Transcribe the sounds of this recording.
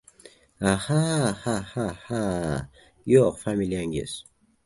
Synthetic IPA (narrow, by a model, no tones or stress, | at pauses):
ahahahaha | joqfamiliaŋɡḛs